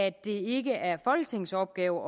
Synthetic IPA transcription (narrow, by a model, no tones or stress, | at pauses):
æd̥e̝e̝ɡ̥əʔæɐfɒ̽lɡ̥ət͡sʰe̝ŋsɒb̥̚ɡ̥ɛːʊʔɒ̽